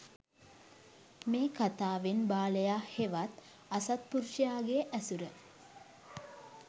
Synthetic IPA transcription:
meːkat̪aːʋenbaːləjaːheʋat̪ | asat̪̚puɾʃəjaːɡeʔæsuɾə

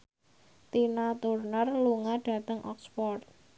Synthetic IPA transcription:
t̪inat̪urnərluŋaɖ̥a̤t̪əŋʔɔ̰kspɔrt̪̚

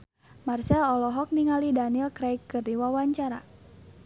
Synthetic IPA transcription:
marsɛlɔlɔɦɔk̚niŋalidanilkɾajkːɨrdiwawaɲt͡ʃaɾa̰

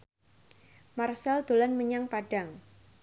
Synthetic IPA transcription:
marsald̪̥olanməɲaŋpaɖ̥aŋ

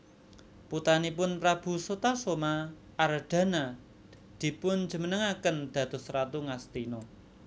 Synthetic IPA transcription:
put̪anipʊnpɾab̥ṳsot̪asomaː | ɾəɖ̪̥a̤na | d̪̥i̤pʊn̥d͡ʒə̤mənəŋakənd̪̥ä̤d̪̥ʊ̤sɾat̪uŋast̪inɔ

